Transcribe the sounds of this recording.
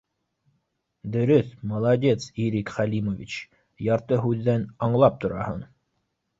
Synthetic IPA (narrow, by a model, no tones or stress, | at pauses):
d̪ɵ̆ɾɵθmɑlˠɑdʲe̞t̪siɾikχælʲimovʲḭt͡ɕ | jɑɾt̪ɤɦʉðːænɑɴlˠɑp̚t̪ŏɾɑhɤ̰ɴ